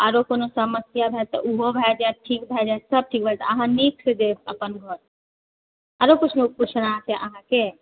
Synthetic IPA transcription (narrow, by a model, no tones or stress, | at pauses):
aɾokonosəməsjabʱɛt̪ɔ̰ʔuɦobʱɛd͡ʒaʈʰikbʱɛd͡ʒajsəb̚ʈʰik̚bʱɛt̪əɦãniksd̪eəpənɡʱɔɾ | aɾokut͡ʃʰmeput͡ʃʰɾaɦãseʔəɦãke